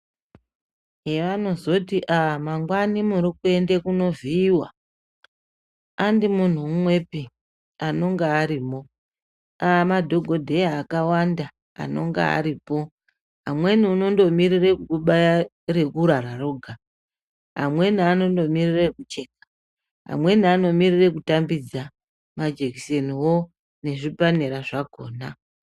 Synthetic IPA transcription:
ɦeʋanozo̞tiʔamaŋɡwanimuɾikue̞ndekuno̞viːwa̰ | andimun̤umwe̞pi | ano̞ŋɡaaɾiːmo̞ | amadʱo̞ɡʱo̞dʱe̞jaːkawanda | a̰no̞̰ŋɡa̰a̰ɾipo̞ | ɦa̰mwe̞niuno̞ndo̞mirirekukuɓa | re̞kuɾaɾaroɡʱa | ɦa̰mwe̞niano̞ndo̞mirirekut͡ʃe̞k̚ḁ | ɦa̰mwe̞niano̞mirire̞kutambid͡za | mad͡ʒekise̞niwo̞ | ne̞ʐipaneɾaʐako̞ːna

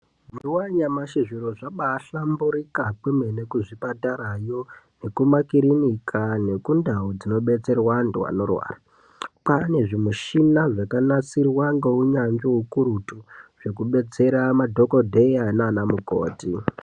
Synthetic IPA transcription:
mmdiwaɲamaʃiʐiɾoʐaɓaːɬambuɾikakumene̞kuʐipataɾajo̞ne̞kumakiɾinikʰane̞kundaod͡zino̞ɓe̞t͡se̞rwandwa̰no̞rwa̰ːra | pane̞ʐimuʃinaʐakanat͡sirwaŋɡouɲand͡ʒoɦukuɾutuʐ̥e̞kuɓe̞t͡se̞ɾamadʱo̞ko̞dʱejananamuko̰ːti

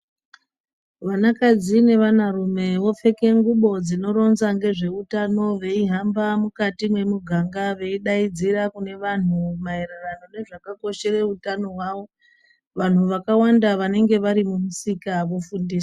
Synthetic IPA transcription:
ʋanakad͡zine̞ʋanarume̞ʋo̞fe̞ke̞ŋɡuɓo̞d͡zino̞ɾo̞nzaŋɡe̞ʐe̞utano̞ʋe̞iɦambamukatimwe̞muɡʱaŋɡaʋe̞iɗaid͡ziɾakune̞ʋan̤umaeɾerano̞ne̞ʐakako̞ʃe̞re̞utano̞ɦwaʋo̞ | ʋan̤uʋakawandaʋane̞ŋɡe̞ʋaɾimumusikaʋo̞fundiːsḁ

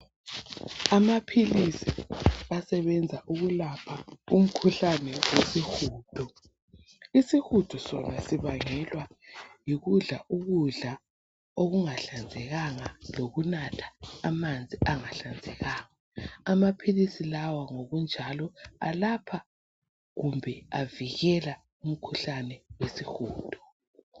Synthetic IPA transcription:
amapʰilisiβasɛβɛnd͡zʱaʔuɣulapʰaum̩kʰuɬanɛwesixuːtʰɔ | isixutʰɔsɔnasiβaŋɛlwajiɣuɮaʔuɣuɮa | oɣuŋaɬand͡zʱɛɣaŋaloɣunatʰḁːmand͡zʱiʔaŋaɬand͡zʱɛɣaŋaː | mapʰilisilawaŋoɣund͡ʒʱalɔa̰lapʰa | ɣumbʱɛaviɣɛla | um̩kʰuɬanɛwesixuːtʰɔ̥

